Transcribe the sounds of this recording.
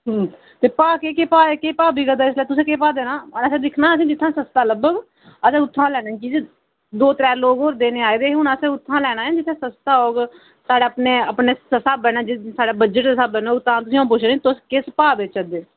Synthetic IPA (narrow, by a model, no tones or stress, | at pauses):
ɦ | t̪eːpaːkeːkeːpaːeːkeːpaːbiːɡəd̪aːɪs̬lːt̪ʊsẽːkeːpaːd̪eːnãːənəsẽːd̪ɪkʰnãːəsĩːd͡ʒɪt̪ʰːãːsəst̪aːləbəɡ | əsẽːʊt̪ʰːãːlɛːnaːiːt͡ʃiːd͡ʒ | d̪oːt̪ɾɛːloːɡɦoːɾd̪eːneːaːeːd̪eːɦʊɳəsẽːʊt̪ʰːãːlɛːɽ̃aːẽːd͡ʒɪt̪ʰːẽːsəst̪aːoːɡ | saːɽaːəpneːəpneːssabɛːnãːd͡ʒɪsaːɽaːbəd͡ʒəʈːsabɛːnãːt̪ʰːãːt̪ʊsĩːãːp̬ʊt͡ʃʰɾeːĩːt̪ʊskɪspaːbet͡ʃəd̪eː